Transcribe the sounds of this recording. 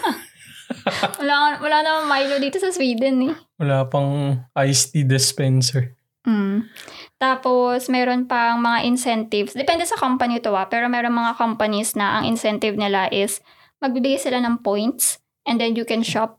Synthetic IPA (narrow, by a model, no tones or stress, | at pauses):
wɐlawɐlaːnɐmɐŋmajlod̪iːt̪o̞sɐswiːd̪ɛnɛwɐlaːpɐŋʔajst̪id̪ɛspɛnsɛɹ | ʔm̩ | t̪aːpo̞smɛːɾo̞npɐʔɐŋmɐŋaʔɪnsɛnt̪ɪvsd̪ɛpɛnd̪ɛsɐkompɐnit̪oapɛːɾo̞mɛːɾo̞nmɐŋakompɐnisnɐʔɐ̰ŋʔɪ̰nsɛnt̪ɪvnɪlaʔɪs | mɐɡ̚bɪbɪɡajsɪlanɐŋpojnt̪s | ʔɛnd̪ɛnjʊkɛnʃap̚